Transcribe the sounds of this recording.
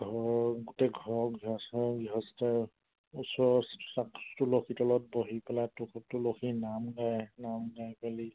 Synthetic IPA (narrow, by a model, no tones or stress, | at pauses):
ɡʱɔɹɡutɛɡʱɔɹɡiɦɔsɔɡiɦɔstɛ | usɔssakstulokʰitɔlɔt̚boɦipɛlatukʰɔp̚tʊlokʰinamɡajnamɡajpali